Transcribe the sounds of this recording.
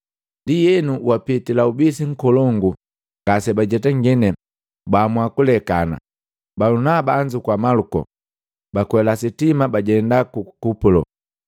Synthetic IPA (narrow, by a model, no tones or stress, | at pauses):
ndijɛnuwapitilaubisiŋ̩kɔlɔŋɡu | ŋɡ̥asɛbaɟɛtaŋɡɛnɛ | bamwakulɛkana̰ | balunabaɲd͡ʒukwamalukɔ̰ | bakwɛlasitimabaɟɛndakukupulɔ̰